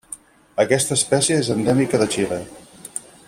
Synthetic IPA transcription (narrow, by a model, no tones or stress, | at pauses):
əkɛst̪əːspɛsjəezənd̪ɛmikəðət͡ʃile